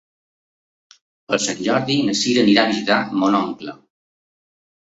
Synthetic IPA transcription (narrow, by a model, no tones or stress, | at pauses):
əlˠsaɲʲd͡ʒɔɾðinəsiɾəniɾaβizit̪amonɔŋklə